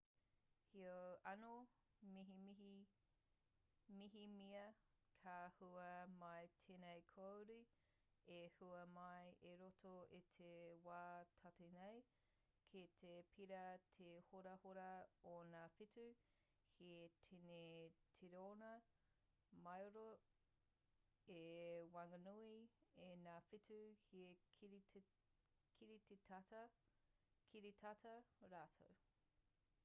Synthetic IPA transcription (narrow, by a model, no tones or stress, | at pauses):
hiɐɐno | miɦimii | miɦimiɐ | kʰaːhuɐmɐjtʰenejkʰowɾi | ehuɐmɐjeɾotʰoit̪ʰewaːtʰɐtinej | kʰit̪ʰepʰiɾɐtʰehoɾɐhoɾɐonaːfitu | hʰietʰinetʰiɾeonɐ | mɐjoɾo | ewɐŋɐnuienaːfituhieɾ | kʰiɾitet | kʰiɾit̪ʰatɐɾaːtʰo̰w